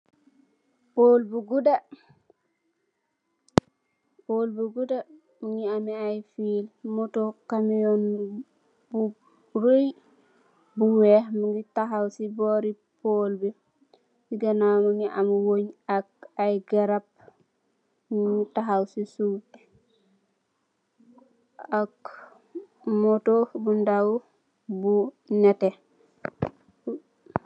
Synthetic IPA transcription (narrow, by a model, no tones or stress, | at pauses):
polbuɡuda | poːlbuɡuda | mŋiamiajfiːlmutokamijɔn | bu | ɾoj | buwɛhmuŋɡitaɦawsibɔːɾi | poːlbi | jiɡɐnawmaŋɡiʔamuwoɲak̚ajɡeɾap̚ | muŋitaɦawsisuːp | ak | motobundaw | bu | nɛte